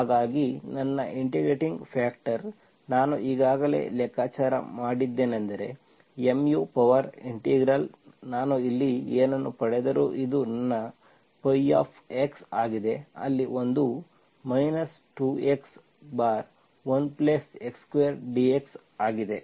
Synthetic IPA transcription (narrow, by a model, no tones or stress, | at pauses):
haːɡaːɡinɐnːɐ̰ʔiɳʈiɡɾeːʈiŋɡpʰaːk̚ʈɐɾ | naːnuʔiːɡaːɡɐlḛlɛkːaːt͡ʃaːɾɐ̰maːɽid̪ːe̞ːnɐnd̪ɐɾe̞ | emjupɐʋɐɾiɳʈiːɡɾɐl | naːnuilːieːnɐnːupɐɽɛd̪ɐɾuːʔid̪unɐnːɐ | pɐja̰ːpʰeksaːɡid̪e̞ɐ̰lːiʔo̞nd̪u | mɐjnɐs | ʈuːeks | baːɾ | ʋɐnplesekskʋejɐɾɖieks | aːɡid̪e̞